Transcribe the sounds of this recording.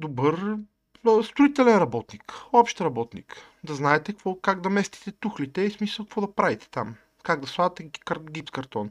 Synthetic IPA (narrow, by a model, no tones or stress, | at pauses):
d̪obɤɾ | əst̪ɾʊit̪ɛlɛnɾɐbɔt̪nikɔpʃt̪ɾɐbɔt̪nḭk | d̪ɐznaɛt̪ɛkkvɔkaɡd̪ɐmɛst̪i̥t̪ɛt̪uxlit̪ɛismisəlˠkɐkvɔd̪ɐpɾavit̪ɛ̥t̪am | kaɡd̪ɐsvˠad̪ɐt̪ɛkɡipskɐɾt̪ɔn